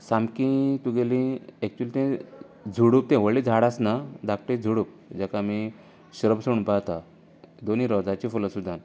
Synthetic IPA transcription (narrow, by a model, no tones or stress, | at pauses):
samkĩt̪uɡelĩɛk̚t͡ɕuəlit̪ɛ̃ | d͡zʱuɽup̚t̪ɛ̃ʋəɭid͡zʱaɽasnad̪ak̚ʈ̪id͡zʱuɽup̚d͡ʑakami | ɕəɾəbsəɽũnpat̪a | d̪oniɾɔd͡zat͡ɕifuləsud̪ʱan